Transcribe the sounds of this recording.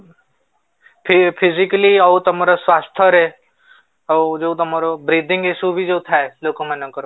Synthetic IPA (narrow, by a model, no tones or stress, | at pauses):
pʰpʰɪzɪkliɐut̪ɐmaːɾaswaːst̪ʰəɾe | d͡ʒot̪ɐmaːɾobɾiːd̪ʱɪ̃ŋɡesubʱid͡ʒot̪ʰaeloːkõmɐnɐkəɾo